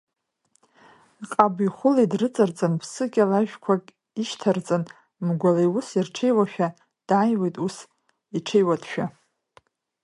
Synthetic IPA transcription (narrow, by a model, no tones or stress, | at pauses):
qʼabiχʷʊlaidrɨt͡sʼart͡sʼɨnpʰsɨkʲʼalaʒᶣkʷʰakʲʼ | iʃtʰart͡sʼɨn | mɡʷalejʊsirʈ͡ʂʰejwaʃᶣa | d̥ajwejtʼus | iʈ͡ʂʰejwatʰʼʃᶣa